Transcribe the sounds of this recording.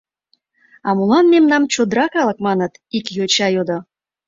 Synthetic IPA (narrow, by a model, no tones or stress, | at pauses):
ɑmulɑnmemnɑmt͡ɕod̪ɾɑkɑlə̆k̚mɑnət̪ikjot͡ɕɑjod̪o